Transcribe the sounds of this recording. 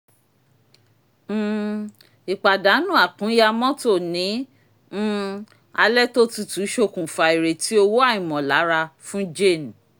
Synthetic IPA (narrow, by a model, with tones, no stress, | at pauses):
i˨k͡pa˨da˨˦nũ˦˨a˨kũ˨˦ja˧mɔ̃˦to˦˨nĩ˨˦ | a˧lɛ˦to˦tu˦tu˨˦ʃo˧kũ˨fa˨i˨ɾe˨ti˦o˧wo˦a˦˨ĩ˨mɔ̃˨la˨˦ɾa˧fũ˦d͡ʒe˦˨n˨